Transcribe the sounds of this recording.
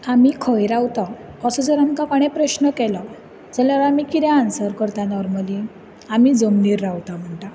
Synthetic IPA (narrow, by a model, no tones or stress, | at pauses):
amikʰəjɾawt̪aəsəd͡zəɾamkapaɽ̃ɛpɾəɕnəkɛla | d͡zəljaɾamikiɾjãansəɾkəɾt̪anɔɾməli | amid͡zəmniːɾːawt̪am̤əɳʈa